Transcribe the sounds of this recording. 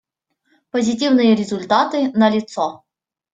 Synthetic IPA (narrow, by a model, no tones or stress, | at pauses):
pəzʲɪtʲivnɨjəɾʲɪzʊlʲt̪at̪ɨnəlʲɪt̪sɔ